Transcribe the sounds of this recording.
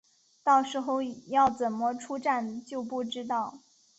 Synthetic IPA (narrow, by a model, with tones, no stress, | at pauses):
t̪ɑ˥˩ʊʂɻ̩˧˥xo˥˧ʊjɑ˥˩ʊt͡sə˨˩nmɔ˥˧ʈ͡ʂʰu˥ʈ͡ʂa˥˧nt͡ɕjo˥˧ʊpu˥˩ʈ͡ʂɻ̩˥t̪ɑ˥˩ʊ